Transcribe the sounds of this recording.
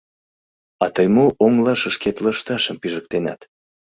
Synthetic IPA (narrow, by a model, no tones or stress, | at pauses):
ɑt̪əjmoʔoŋlɑʃəʃket̪ləʃt̪ɑʃəmpiʒək̚t̪enɑ̰t̪